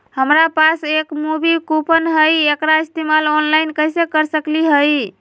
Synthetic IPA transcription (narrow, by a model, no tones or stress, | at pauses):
həmɾapasekmubikupʰənɦəjekɾaist̪emalonlajnkəjsekəɾsəkliɦəj